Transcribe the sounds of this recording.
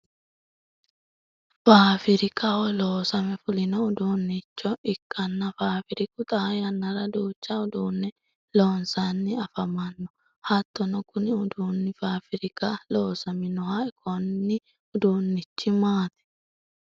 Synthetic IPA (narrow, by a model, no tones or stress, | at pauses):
faːfɪɾɪkʼɐɔloːsɐmɛfʊlɪnɔʊd̪uːnːɪt͡ʃːɔɪkʼːɐnːɐfaːfɪɾɪkʊt̪ʼajɐnːɐɾɐd̪uːt͡ʃːɐʊd̪uːnːɛ | loːnsanːɪɐfɐmɐnːɔ̥ | hɐt̪ːɔnɔkʊnɪʊd̪uːnːɪfaːfɪɾɪkʼaloːsɐmɪnɔhaɛkʰɔnːɪ | ʊd̪uːnːɪt͡ʃːɪmaːt̪ɛ̥